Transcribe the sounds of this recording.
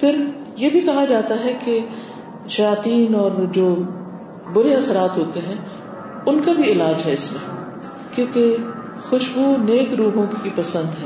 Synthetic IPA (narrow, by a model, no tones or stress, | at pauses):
pʰɪɾ | jebʱikɐɦad͡ʒaːt̪aɦɛke | ʃɐjaːt̪iːnɔːɾd͡ʒoː | bʊɾeɐsəɾaːt̪ɦoːt̪eɦɛ̃ | ʊnkabʱiɪlaːd͡ʒɦɛɪsmẽ | kjõːke | xʊʃbuneːkɾuːɦõkipɐsə̃nd̪ɦɛː